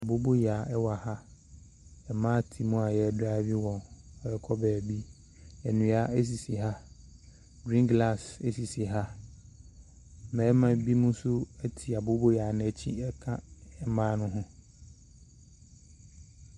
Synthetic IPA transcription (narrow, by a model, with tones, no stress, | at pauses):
a˨bo˦bo˦jaː˨ɛ˦wa˨ha˦ | ɛ˨mãː˦˨tʰi˨mũ˦a˨jɛ˦da˦vi˦wɔ̃˨nɔ˦ɛ˨kʰɔ˦bɛː˨bi˦ | ɛ˨nũ˨a˦æ˦s̬i˨si˨ɦa˦ | dɾĩ˦ŋɡla˦˨se˦si˨si˨ɦa˦ | mɛ˨˦mã˨bi˦mʊ̃˦sʊ˦ɛ˦tʰi˨a˨bo˦bo˦jaː˨nɪ̃˨˦ɛ˦t͡ɕʰḭ˦ɛ˦kʰã˦ɛ˨mãː˦nʊ̃˦ɦʊ̃˦